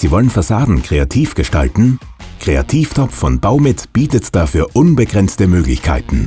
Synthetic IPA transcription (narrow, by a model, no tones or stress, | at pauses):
z̥iːvɔlənfasaːdn̩kʁ̥eatʰiːfɡ̥əʃta̰ltn̩ | kʁ̥ea̰tʰiːftʰɔpp͡ffɔnb̥aʊmɪtb̥iːtətd̥aːfyːɐʔʊnbəɡʁɛnt͡stəmøːɡlɪçkʰa̰ɪtn̩